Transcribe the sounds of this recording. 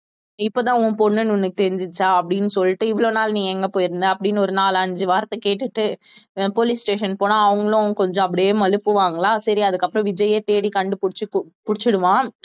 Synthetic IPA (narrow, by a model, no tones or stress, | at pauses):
ɪpːoːt̪ãːʊ̃ːpɔnːɯnʊnːɯkːɯt̪ɛɾɪɲd͡ʒɪt͡ʃːaːɐpːɐɽɪnːɯsɔlːɪʈːɯɪʋɐɭoːnaːlɐnĩːɛŋɡɐpoːjɪɾɯnd̪ɯɐpːɐɽɪnːɔɾɯnaːlɐɲd͡ʒɯʋaːɾɐt̪ːɐkeːʈːɯʈːɯpolisʈeːʂɐnpoːnãːɐʋɐŋɡɐɭʊ̃kɔɲd͡ʒɔ̃ɐp̬ːɐɽɪjeːmɐlɯpːɯʋaːŋɡɐɭaːsɐɾiɐðɯkːɐpːɯɾɔ̃ʋɪd͡ʒɐjeːt̪eːɽikɐɳɖɯpʊɽɪt͡ʃːɯpʊɽɪt͡ʃːɯɽɯʋãː